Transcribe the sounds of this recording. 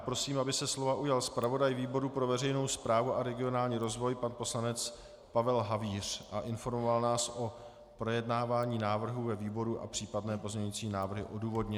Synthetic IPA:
pɾo̞siːmabɪsɛslo̞vaʔujalspɾavo̞dajviːbo̞ɾupɾo̞vɛrɛjno̞wspɾaːvuʔaɾɛɡɪo̞naːlɲiːɾozvo̞jpanpo̞slanɛt͡s | pavɛlɦaviːr̝̥ʔaʔɪnfo̞ɾmovalnaːsʔo̞ | pɾo̞jɛdnaːvaːɲiːnaːvr̩ɦuvɛviːbo̞ɾuʔa̰pr̥iːpadnɛːpo̞zɲɛɲit͡siːnaːvr̩ɦɪ̰ʔo̞duːvo̞dɲɛ

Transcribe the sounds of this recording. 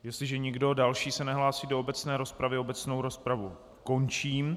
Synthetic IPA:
jɛst̪lɪʒɛɲɪɡdo̞dalʃiːsɛnɛɦlaːsiːdoobɛt͡snɛːɾo̞spɾavɪo̞bɛt͡sno̞wɾo̞spɾavu | ko̞nt͡ʃiːm

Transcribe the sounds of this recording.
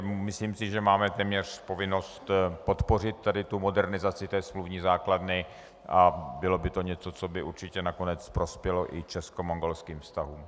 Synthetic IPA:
mɪsliːmsɪʒɛmaːmɛt̪ɛːmɲɛr̝̥po̞vɪno̞st̪po̞t̪po̞rɪt̪ːadɪt̪umo̞dɛɾnɪzat͡sɪt̪ɛːsmluvɲiːzaːkladnɪ | ʔabɪlo̞bɪt̪o̞ɲɛt͡sot͡so̞bɪʔuɾt͡ʃɪcɛnako̞nɛt͡spɾo̞spjɛloʔɪt͡ʃɛskomoŋɡolskiːmfst̪aɦuːm

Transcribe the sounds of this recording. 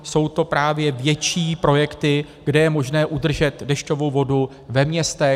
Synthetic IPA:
so̞wt̪o̞pɾaːvjɛvjɛt͡ʃiːpɾo̞jɛkt̪ɪ | ɡ̥dɛjɛmo̞ʒnɛːʔud̪r̩ʒɛt̪dɛʃco̞vo̞wvo̞du | vɛmɲɛst̪ɛ

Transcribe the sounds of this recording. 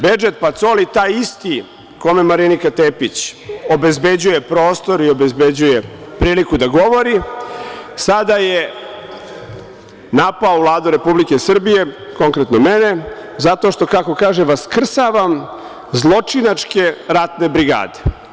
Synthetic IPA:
bed͡ʒet̪̚pat̪solit̪aːjist̪i | ko̞memaɾinikat̪epit͡ɕo̞be̞zbe̞d͡ʑuje̞pɾo̞ːst̪o̞ɾio̞bezbe̞d͡ʑuje̞pɾiːlikud̪aɡo̞ʋoɾi | sad̪aje | napaoʋlˠaːd̪uɾe̞publike̞sr̩bije̞ | ko̞ŋkɾet̪nomene̞zat̪o̞ʃt̪o̞kako̞kaːʒeʋaskr̩saʋam | zlˠo̞t͡ʂinat͡ʂke̞ɾat̪ne̞bɾiɡa̰ːd̪e

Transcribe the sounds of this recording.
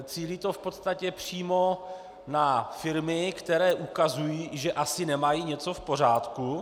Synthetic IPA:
t͡siːliːt̪o̞fpo̞t̪st̪acɛpr̝̥iːmo̞ | nafɪɾmɪkt̪ɛɾɛːʔukazujiːʒɛʔasɪnɛmajiːɲɛt͡so̞fpo̞r̝aːt̪ku

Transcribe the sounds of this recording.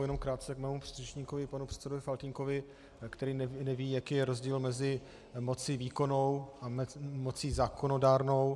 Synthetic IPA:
jɛnomkɾaːt̪̚t͡sɛkmɛːmupr̥irɛt͡ʃɲiːko̞vɪpanupr̥ɛt̪sɛdovɪfalt̪ɪŋko̞vɪ | kt̪ɛɾiːnɛnɛviːjakiːjɛɾo̞zɟiːlmɛzɪ | mo̞t͡siviːko̞no̞wʔamo̞t͡siːzaːko̞no̞daːɾno̞w

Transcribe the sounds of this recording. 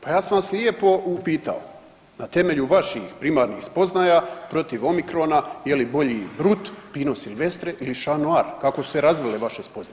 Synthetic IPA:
pajaːsamslje̞po̞upiːt̪a̰o | nat̪e̞me̞ʎuʋaʃixpɾimaːɾnixspo̞znaːjapɾo̞t̪iʋo̞mikɾo̞najelibo̞ʎibɾut̪piːno̞silʋe̞st̪ɾeʔiliʃanuaːɾkakosu̥se̞ɾazʋeleʋaʃespo̞zn

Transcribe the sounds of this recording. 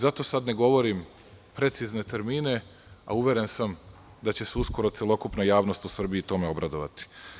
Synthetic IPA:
zat̪o̞sad̪ne̞ɡo̞ʋo̞ɾim | pɾe̞t̪sizne̞t̪e̞ɾmiːne̞ | a̰uʋʲje̞ɾe̞nsam | d̪at͡ɕe̞seusko̞ɾo̞t̪sjelˠo̞kupnajaːʋno̞st̪usr̩biːt̪o̞me̞o̞bɾad̪o̞ʋa̰t̪i̥

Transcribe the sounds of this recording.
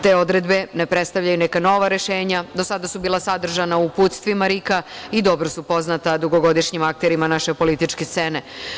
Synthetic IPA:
t̪e̞ːo̞d̪ɾe̞d̪be̞ne̞pɾet̪st̪aʋʎajunekano̞ʋaɾe̞ʃeːɲad̪o̞sad̪asubiːlˠasad̪r̩ʒanaupuːt̪st̪ʋimaɾikaid̪o̞bɾosupo̞znat̪ad̪uɡo̞ɡo̞d̪iʃɲimak̚t̪eɾimanaʃe̞po̞lit̪it͡ʃke̞st̪se̞ne̞

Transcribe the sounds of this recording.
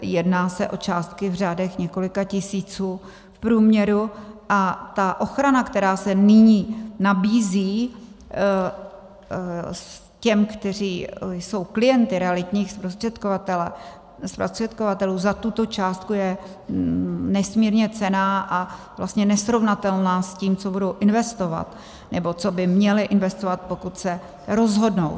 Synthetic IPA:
jɛdnaːsɛʔo̞t͡ʃaːst̪̚kɪvr̝aːdɛxɲɛko̞lɪkacɪsiːt͡suː | fpɾuːmɲɛɾuʔat̪aʔo̞xɾanakt̪ɛɾaːsɛnɪɲiːnabiːziː | s | cɛmkt̪ɛriːjso̞wklɪjɛnt̪ɪɾɛalɪt̪ɲiːxspɾo̞st̪r̥ɛt̪kovat̪ɛlɛ | spɾost̪r̥ɛt̪̚ko̞vat̪ɛluːzat̪ut̪o̞t͡ʃaːst̪̚kujɛ | nɛsmiːɾɲɛt͡sɛnaːʔa | vlast̪ɲɛnɛsɾo̞vnat̪ɛlnaːsciːmt͡so̞budo̞wʔɪnvɛst̪o̞va̰t̪ | nɛbo̞t͡so̞bɪmɲɛlɪʔɪnvɛst̪ovat̪̚po̞kut̪sɛ | ɾo̞zɦo̞dno̞̰w

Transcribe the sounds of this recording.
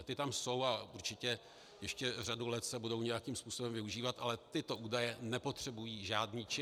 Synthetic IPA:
t̪ɪt̪amso̞waʔuɾt͡ʃɪcɛ | jɛʃcɛr̝adulɛt̪sɛbudo̞wɲɛjakiːmspuːso̞bɛmvɪuʒiːvat̪ʔalɛt̪ɪt̪o̞ʔuːdajɛnɛpo̞t̪r̝̥ɛbujiːʒaːdniːt͡ʃɪ

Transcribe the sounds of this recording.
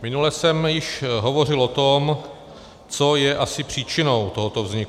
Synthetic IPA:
mɪnulɛsɛmjɪʃɦovo̞rɪlot̪om | t͡sojɛʔasɪpr̝̥iːt͡ʃɪnowt̪oɦot̪o̞vzɲɪku

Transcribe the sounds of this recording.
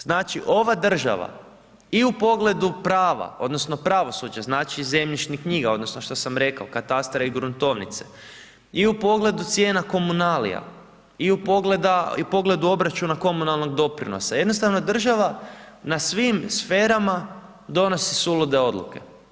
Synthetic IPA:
z̥naːt͡ʃiʔo̞ʋad̪r̩ʒa̰ʋa̰ | iupo̞ɡle̞d̪upɾaːʋa̰o̞d̪no̞sno̞pɾaʋo̞sud͡ʒaznaːt͡ʃize̞mʎiʃnikɲiːɡao̞d̪no̞sno̞ʃt̪osamɾe̞kaokat̪ast̪ɾeiɡɾunt̪o̞ʋnḭt̪se̥̰ | iupo̞ɡle̞d̪ut̪sje̞ːnako̞munaːlḭja̰ | iupoɡled̪aipo̞ɡle̞d̪uo̞bɾat͡ʃunako̞munalˠno̞ɡd̪o̞pɾḭno̞̰sajed̪no̞st̪aʋnod̪r̩ʒaʋa | nasʋimsfe̞ːɾama | d̪o̞no̞sisulud̪e̞o̞d̪lˠṵke̞̰

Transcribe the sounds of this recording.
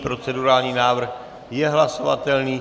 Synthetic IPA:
pɾo̞t͡sɛduɾaːlɲiːnaːvr̩x | jɛɦlaso̞va̰t̪ɛlniː

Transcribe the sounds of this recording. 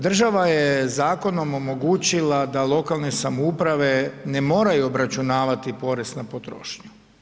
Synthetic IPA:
d̪r̩ʒaʋajezaːko̞no̞mo̞mo̞ɡuːt͡ɕilˠad̪alˠo̞kalˠne̞samoupɾaʋe̞ne̞mo̞ːɾajuobɾat͡ʃunaːʋat̪ipo̞ɾest̪napot̪ɾo̰ːʃɲu̥

